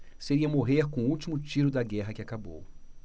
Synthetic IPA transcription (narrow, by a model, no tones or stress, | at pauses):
seɾiɐmoɦeɾkõut͡ʃimʊt͡ʃiɾʊd̪ɐɡɛɦɐkɪakabo̰w